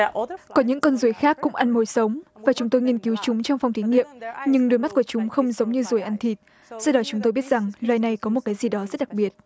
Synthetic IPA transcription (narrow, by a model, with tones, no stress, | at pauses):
kɔ˨˦ɲɨ̰˧˥ŋkɔ˧nzu˨˩ə˦jxaː˦˥kːʊ̰˧˥ŋ͡mʔa˧nmo˨˦jsə˨˦wŋ͡mvaː˨˩t͡ɕʊ˨˦ŋ͡mt̪o˧jŋi˧ənki˨˦wt͡ɕʊ˨˦ŋ͡mt͡ɕɔ˧wŋ͡mfa˧˩wŋ͡mt̪ʰi˨˦ŋḭ˧˨əmɲɨ˧ŋɗɨ˧˩jma˦˥t̚ku˧˩ət͡ɕʊ˨˦ŋ͡mxə˧wŋ͡mzə˨˦wŋ͡mɲɨ˧zu˨˩əjʔa˧nt̪ʰi˨˩t̚ | sɔ˧ɗɔ˨˦t͡ɕʊ˨˦ŋ͡mt̪o˧jɓi˦˥ət̚z̥a˨˩ŋlwa̰ː˧˨jna˨˩jkɔ˨˦m˨˩t̚kaː˨˦jzi˨˩ɗɔ˨˦zə˦˥t̚ɗa˨˩k̚ɓi˨˩ət̚